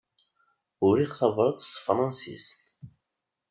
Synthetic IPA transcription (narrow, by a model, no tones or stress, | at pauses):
ʊɾiχθɑvˤɾˤɑt̪ˤsfɾˤɑnsḭst̪